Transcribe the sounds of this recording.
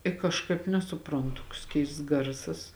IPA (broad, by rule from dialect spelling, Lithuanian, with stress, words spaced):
ɪ kɐʃˈkɐɪp nʲɛsʊˈprɐntʊ toːks ˈkʲɛɪsts ˈɡɐrsɐs